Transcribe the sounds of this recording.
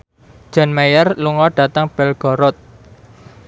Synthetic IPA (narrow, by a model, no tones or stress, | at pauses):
d̥ʒ̥ɔ̤nmajərluŋɔɖ̥ä̤t̪əŋb̥ɛlɡ̥ɔɾɔt̪̚